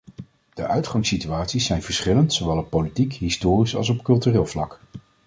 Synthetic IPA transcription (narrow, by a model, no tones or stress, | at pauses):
d̥əʔœɥtχɑŋsityaːtsisːɛjnvəɹsχɪləntsoʋɛlˠɔpːowlitikɦɪstʊːrisɑ̰lˠsɔpkɵlˠtyrɪːlˠvlɑ̰k